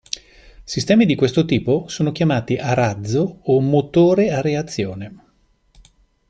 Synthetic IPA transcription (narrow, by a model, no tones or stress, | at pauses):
sist̪ɛːmid̪ikwest̪ot̪iːposoːnok̟jamaːt̪iʔaɾad̪zːoːmot̪oːɾeareat̪sːjoːne